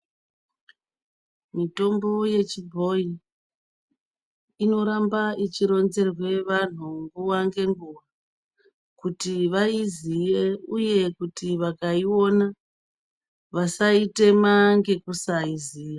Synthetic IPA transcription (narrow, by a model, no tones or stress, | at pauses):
mito̞mbo̞je̞t͡ʃibʱo̞i | ino̞ɾambait͡ʃiɾo̞nze̞rwe̞ʋan̤uŋɡuwaŋɡe̞ŋɡuwa | kutiʋaizije̞uje̞kutiʋakaio̞na | ʋasaite̞maŋɡe̞kusaiziːja